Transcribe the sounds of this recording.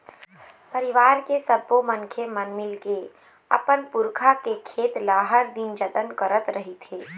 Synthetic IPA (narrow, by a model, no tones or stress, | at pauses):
pəɾɪʋaːɾkesəbomənkʰemənmɪlke | ɐ̰pənpʊɾkʰakekʰeːt̪laːɦəɾd̪ind͡ʒət̪ənkəɾət̪ɾəɦit̪ʰeː